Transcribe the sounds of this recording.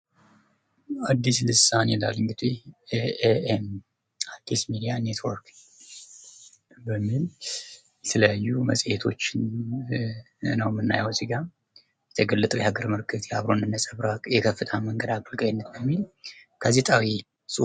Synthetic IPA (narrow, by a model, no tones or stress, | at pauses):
ad̪ːislɨsanela̰lɨŋɡɨd̪i | eem | ad̪̥ːismid̪ijane̞t̪ʰwɔɾk | bəmːil | jɛt̪ʰələjajːumə̰sʼjɛt̪ʰo̞̰t͡ʃːɪn | nəwmːɨnːa̰jəwzɨɡa | jɛt̪ʰəɡəlːɨt̪ʼəjɛhaɡəɾmɨɾkʰɨt̪ʰjaβɾo̞nd̪ɨnːəsʼəβɾajɛkʰəfːɨt̪ʰaməŋɡəd̪akʼɨlɡʼajnːət̪bəmːilɡ̥azet̪ʼawi | sʼu